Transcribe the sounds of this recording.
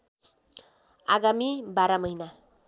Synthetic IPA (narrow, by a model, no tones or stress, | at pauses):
aɡamibaɾamʌjna